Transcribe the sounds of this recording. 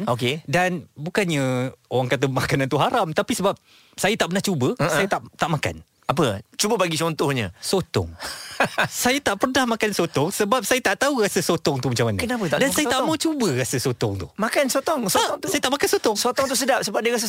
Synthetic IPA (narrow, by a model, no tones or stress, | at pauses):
nokedanbukanɲaowaŋkat̪̬əmakanant̪uɦaɾamt̪apisəbap̚ | sajət̪aʔpənaht͡ʃubəəsajət̪aʔt̪aʔmaka̰n | ap̬ət͡ʃubəbaɡit͡ʃɔnt̪ɔhɲə̰̃sot̪ɔ̰ŋ | sajat̪aʔpərnahmãkansot̪ɔŋsəbap̚sajət̪aʔt̪aurasəsot̪ɔŋt̪uhmat͡ʃamankənapət̪adansajat̪aʔmawt͡ʃubərasəsot̪ɔŋt̪uhmakansot̪ɔŋsɔŋsajət̪aʔmakansot̪ɔŋsot̪ɔŋt̪us̬ədap̚səbap̚diəɣas̬ə